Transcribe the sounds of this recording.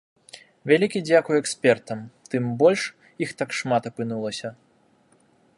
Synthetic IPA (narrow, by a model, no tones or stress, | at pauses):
vʲalʲikʲid͡zʲakujuɛksʲpʲɛrt̪ɐmt̪ɨmbɔlʲʂ | ixt̪akʂmat̪ɐpɨnulˠɐsʲɐ